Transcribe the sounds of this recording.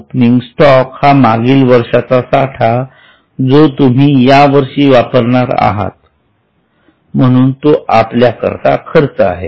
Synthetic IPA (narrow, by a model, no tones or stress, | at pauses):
pniŋɡsʈɔkhamaɡiːlʋəɾʂat͡sasaʈʰa | d͡zot̪um̤iːjaʋəɾʂiːʋapəɾɳaɾa̰ɦa̰t̪̚ | m̤əɽ̃uːnt̪oʔapljakə̰ɾt̪a̰kʰəɾt͡səa̰ɦe